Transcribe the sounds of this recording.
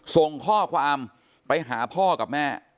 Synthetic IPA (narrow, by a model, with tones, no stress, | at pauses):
so˨˩ŋkʰɔː˥˩kʰwaː˧m | pa˧jɦaː˩˦pʰɔː˥˩ka˨˩p̚mɛː˥˩